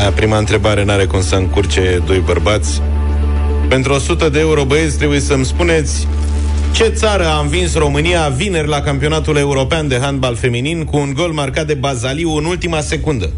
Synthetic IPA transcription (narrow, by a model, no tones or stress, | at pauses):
apɾimaɨnt̪ɾe̞baɾe̞naɾe̞kumsəɨŋkurt͡ʃe̞d̪o̞jbərbat̪sʲ | pe̞nt̪ɾuo̞sut̪əd̪e̞ːuɾo̞bəjesʲt̪ɾe̞buje̞səmspune̞t̪sʲ | t͡ʃe̞t̪saɾəamvinsro̞mɨnijavine̞rʲlakampio̞nat̪ule̞uɾo̞peand̪e̞ɦand̪balfe̞mininkuːŋɡo̞lmarkat̪̚d̪e̞bazaliuɨnult̪imase̞kund̪ə